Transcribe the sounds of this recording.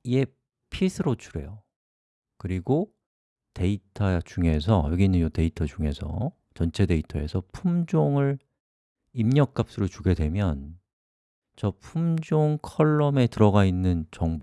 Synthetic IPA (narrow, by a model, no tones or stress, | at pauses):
ije̞ | pʰisʰɯɾot͡ɕʰuɾe̞̰jo | kɯɾiɡo | te̞itʰat͡ɕuŋe̞sʰʌ̰jʌɡinɯnjote̞itʰʌd͡ʑuŋe̞sʰʌ̰ | t͡ɕʌnt͡ɕʰe̞de̞itʰʌe̞̰sʰʌpʰumd͡ʑoŋɯɭ | imɲʌk̚k͈ap̚s͈uɾot͡ɕuɡe̞dwe̞mjʌn | t͡ɕʌpʰumd͡ʑoŋkʰʌɭːʌme̞tɯɾʌɡainːɯnt͡ɕʌŋb